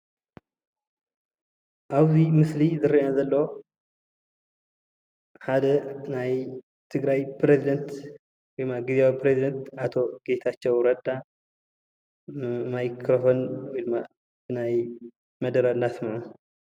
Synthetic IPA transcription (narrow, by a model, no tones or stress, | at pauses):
ʔaβzimɨslizɨɾiazɐlːɐ | ħad̪ɐnaj | t̪ʰɨɡɾajpɾezid̪ɐnt̪ | wɔjmːaɡizeaipʰɾezid̪ɐnt̪ʔat̪ʰo̞ɡ̥e̞t̪ʰat͡ʃːɛwɾɐd̪a | majkʰɾofo̞nwɔjma | bɨnaj | mɐd̪ɐɾɐnːasmaʕu